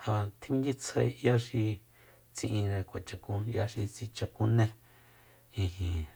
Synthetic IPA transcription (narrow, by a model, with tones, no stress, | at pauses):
hã˧t̪ʰi˦ŋɡi˦t͡sʰe˧ja˦ʃi˧ | t͡sĩ˧ʔĩ˧ɾẽ˧kʷa˨t͡ʃa˧kũ˧ja˧ʃi˧t͡si˧t͡ʃa˧kũ˧nẽ˧ | ĩ˧hĩ˨